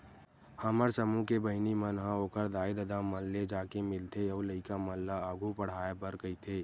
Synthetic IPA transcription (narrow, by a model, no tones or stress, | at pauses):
həməɾsəmũkebəɦɪnimənɦãoːkəɾd̪aːɪd̪əd̪aːməlːed͡ʒaːkemɪlt̪ʰeɐuləɪkaməlːaaːɡʱupəɽ̤aːebəɾkəit̪ʰeː